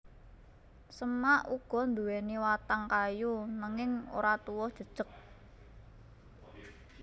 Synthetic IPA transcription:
səmaʔuɡ̥ɔ̤nd̪uweniwat̪aŋkajunaŋɪŋo̰ɾat̪uwɔd̥ʒ̥ə̤d̥ʒ̥ək̚

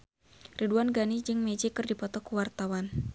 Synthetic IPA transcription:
riduanɡanid͡ʒɨŋmɛd͡ʒikɨrdipɔt̪ɔkuwart̪awan

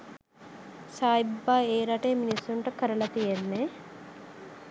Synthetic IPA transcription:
saːibːaːeːɾɐʈeːminisːuɳʈɐkʰəɾɐlɐt̪ijenːe

